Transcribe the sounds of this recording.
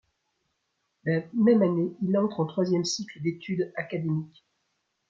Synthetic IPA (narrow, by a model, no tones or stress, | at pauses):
lamɛmaneilɑ̃t̪χɑ̃t̪χwazjɛmsikləd̪et̪yd̪akad̪emikʲ